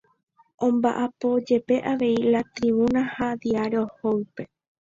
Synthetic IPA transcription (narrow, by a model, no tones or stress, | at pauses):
ʔõ̞mba̰ʔapo̞d͡ʒe̞pe̞ʔaʋe̞ilat̪ɾiβunahad̪iaɾe̞ohoɨpe̞